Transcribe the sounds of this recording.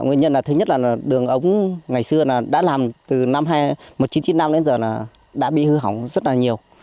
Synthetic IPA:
ŋi˧nɲə˧nla˨˩t̪ɨ˨˦ɲə˥t̚laː˨˩laː˨˩ɗɨ˨˩əŋʔə˨˦wŋ͡mŋa˨˩jsɨ˧əlaː˨˩ɗa̰ː˧˥laː˨˩mt̪ɨ˨˩na˧mɦaː˧jmo˨˩t̚t͡ɕi˨˦nt͡ɕi˨˧˦nːa˧mɗe˨˦nzəː˨˩laː˨˩ | ɗa̰ː˧˥ɓḭ˧˨hɨ˧ɦa˧˩wŋ͡mzə˦˥t̚laː˨˩ɲi˨˩əw

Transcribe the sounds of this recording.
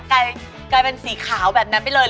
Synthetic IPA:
ka˧j | ka˧jpe˧nsiː˩˦kʰaː˩˦wbɛː˨˩p̚na˦˥npa˧˩jlɤː˧

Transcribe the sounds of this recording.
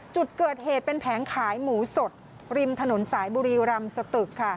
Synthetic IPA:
t͡ɕu˨˩t̪̚kɤː˨˩t̪̚heː˨˩t̪̚pe˧npʰɛː˩˦nkʰaː˩˦jmuː˩˦so˨˩t̪̚ | ɾi˧mt̪ʰa˧no˩˦nsaː˩˦jbuː˧ɾiː˧ɾa˧msa˧t̪ɯ˨˩kʰːa˥˩

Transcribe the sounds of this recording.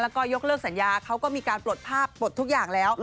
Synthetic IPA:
laː˦˧˥kɔː˧˩jo˦˥k̚lɤː˥˩k̚sa˩˦njaː˧kʰa˦˥wkɔː˥˩miː˧kaː˧nplo˨˩t̪̚pʰaː˥˩pːo˨˩t̪ʰːu˦˥k̚jaː˨˩ŋlɛː˦˥w

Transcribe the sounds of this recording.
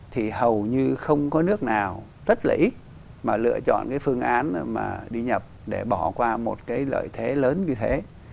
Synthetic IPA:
t̪ʰi˨˩hə˨˩wɲɨ˧xə˧wŋ͡mkɔ˨˦nɨ˦˥ək̚naː˨˩w | zə˦˥t̚laː˨˩ʔi˦˥t̚ | maː˨˩lɨ̰˧˨ət͡ɕɔ̰˧˨nkaː˨˦jfɨ˧əŋʔaː˨˦nma̰ː˨˩ɗi˧ɲə˨˩p̚ɗe˧˩ɓɔ˧˩kwaː˧mo˨˩t̚kaː˨˦jlə̰ː˧˨jt̪ʰe˨˦ləː˨˦nɲɨ˧t̪ʰe˨˦

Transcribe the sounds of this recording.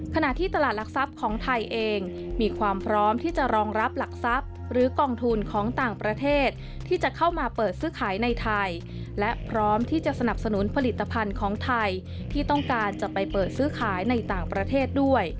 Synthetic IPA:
kʰa˧na˨˩ʔt̪ʰiː˥˩t̪a˧laː˨˩t̪̚la˨˩k̚sa˦˥p̚kʰɔː˩˦ŋt̪ʰa˧jʔeː˧ŋ | miː˧kʰwaː˧mpʰɾɔː˦˥mt̪ʰiː˥˩t͡ɕa˨˩ɾɔː˧ŋɾa˦˥p̚la˨˩k̚sa˦˥p̚ | ɾɯː˩˦kɔː˧ŋt̪ʰu˧nkʰɔː˩˦ŋt̪aː˨˩ŋpɾa˧t̪ʰeː˥˩t̪̚ʰːiː˥˩t͡ɕa˨˩kʰa˥˩wmaː˧pɤː˨˩t̪̚sɯː˦˥kʰaː˩˦jna˧jt̪ʰa˧j | lɛ˦˥ʔpʰɾɔː˦˥mt̪ʰiː˥˩t͡ɕa˨˩sa˧na˨˩p̚sa˧nu˩˦npʰa˧li˨˩t̪ːa˧pʰa˧nkʰɔː˩˦ŋt̪ʰa˧j | t̪ʰiː˥˩t̪ɔ˥˩ŋkaː˧nt͡ɕa˨˩pa˧jpɤː˨˩t̪̚sɯː˦˥kʰaː˩˦jna˧jt̪aː˨˩ŋpɾa˧t̪ʰeː˥˩t̪̚du˥˩əj

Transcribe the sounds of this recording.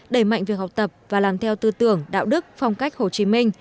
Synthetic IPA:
ɗə˧˩jma̰˧˨ŋ̟vi˨ək̚ha˨˩k͡p̚t̪ə˨˩p̚vaː˨˩laː˨˩mt̪ʰɛ˧wt̪ɨ˧t̪ɨ˧˩əŋɗa̰ː˧˨wɗɨ˦˥k̚fa˧wŋ͡mka˦˥jk̚ho˨˩t͡ɕi˨˦mi˧ŋ̟

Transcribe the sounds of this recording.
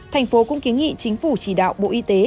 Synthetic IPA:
t̪ʰa˨˩jŋ̟fo˨˦kʊ̰˧˥ŋ͡mki˨˦ənŋḭ˧˨t͡ɕï˨˦ŋ̟fu˧˩t͡ɕi˧˩ɗa̰ː˧˨wɓo̰˧˨ʔi˧t̪e˨˦

